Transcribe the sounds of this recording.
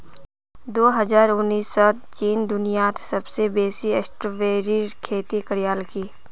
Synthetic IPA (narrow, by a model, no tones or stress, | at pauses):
d̪oːɦɐzaːɾʊnːiːsːɔː | t͡ʃiːnd̪ʊnijaːt̪ʰsɐbsebeːsiesʈɾoʋeːɾikʰeːt̪ikəɾɪjaːlkiː